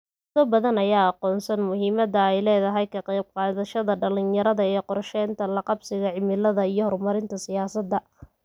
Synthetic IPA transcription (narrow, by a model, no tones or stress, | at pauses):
t̪ɔbɐðɐnɐjaːɑqɔːnsɐnmʊɦiːmɐðɐɛjlɛːðɐɦɛjkʰɐqɛjb̚qɑːðɐʃɐðɐɖɐlɪnjɐɾɐðɐɛqɔɾʃɛːnt̪ʰɐlɐqɑbsɪɣɐʕɪmɪlɐðɐijɞhɔrmɐɾɪnt̪ʰɐsɪjaːsɐd̪ɐ